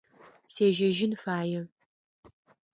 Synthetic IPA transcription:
seːʒɐʒɪnfaːjɛ

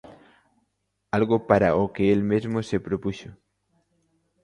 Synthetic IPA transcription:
alɣopaɾaokeelmezmosepɾopuso

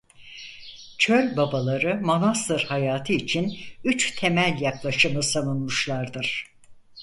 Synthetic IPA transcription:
t͡ʃʰølʲbabalˠaɾɯmonast̪ɯɾhajaːt̪ʰɯit͡ʃʰinyt͡ʃt̪ʰe̞mælʲjaklˠaʃɯmɯsavunmuʃlˠaɾd̪ɯɾ̥

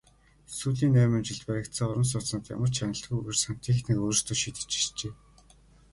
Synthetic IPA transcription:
suːɮiːnːæːmə̆ːmt͡ɕɪ̆ɮt̪pæɾʲɪ̆kt̪sə̆ŋɔɾə̆ms̬ʊːt͡snɔːt̪ja̰mə̆r̥t͡ɕʰanʲə̆ɬɮt̪ɣujwɘrsan̥t̪ʰiːxt̪nikoːɾ̆rst̪ŭʃiːt̪ɘ̥̆t͡ɕi̥ɮt͡ɕeː

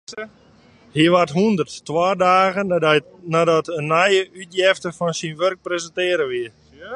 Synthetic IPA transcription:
hiʋatɦuəndərtːwaːdaːɣə | nadɔtənːɛjəʔytjɛftəfɔnsinʋørk̚prezəntɪəɾəʋiə

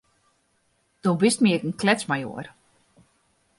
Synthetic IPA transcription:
d̥obistmiəkən̩klɛt͡smajo̰ər

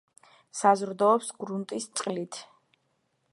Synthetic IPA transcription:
sazɾd̪ɔːpsɡɾunt̪ʼist̪sʼqʼlit̪ʰ

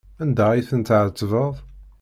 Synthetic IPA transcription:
ænd̪æiθənt̪ʕət͡sːvəðˤ

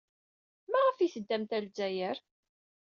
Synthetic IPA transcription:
mæʁəfiθəd̪ːæmt̪ælzæjəɾ

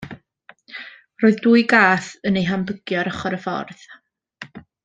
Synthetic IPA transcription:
roːðduːɨɡaːθənejɦambəɡ̥jɔɾəχɔɾəfɔ̰rð̥

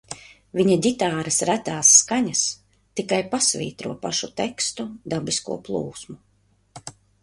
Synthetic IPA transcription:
viɲadʲit̪aːɾɐsɾæt̪aːsːkaɲas | t̪ikajpasvḭːt̪ɾuɔpaʃut̪ɛkst̪ud̪abiskṵɔplˠuːsmu

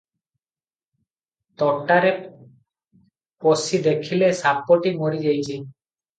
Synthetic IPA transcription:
t̪ɔʈaɾe | posid̪ekʰilesapːɔʈimoɾid͡ʒajt͡ʃʰi

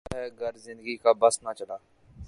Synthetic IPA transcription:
ɦɛɡʱɐɾzɪ̃nd̪əɡikabəsnat͡ʃəlaː

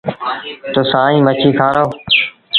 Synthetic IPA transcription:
t̪oːsãːĩːmət͡ʃʰiːk̪ʰaːɾoː

